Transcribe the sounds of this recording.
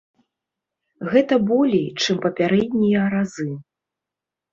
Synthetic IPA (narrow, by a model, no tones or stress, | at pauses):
ɣɛt̪ɐbɔlʲijt͡ʂɨmpɐpʲaɾɛd̪ʲnʲijɐɾazɨ